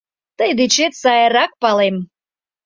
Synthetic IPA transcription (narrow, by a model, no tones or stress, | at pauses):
t̪əjd̪ɨt͡ɕet̪sɑjɾɑk̚pɑlem